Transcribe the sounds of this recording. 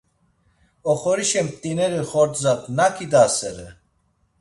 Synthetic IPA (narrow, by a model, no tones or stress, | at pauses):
ɔχɔɾiʃɛmp̚t̪ʼinɛɾiχɔɾt̪zat̪nakʰid̪asɛɾɛ